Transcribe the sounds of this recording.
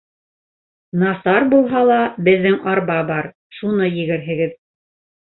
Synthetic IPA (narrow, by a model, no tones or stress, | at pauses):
nɑsɑɾbulˠɦɑlˠɑbɘ̆ðːɘŋʔɑɾbɑbɑɾ | ʃunɤjɘ̆ɡɘ̆ɾɦɘ̆ɡɘð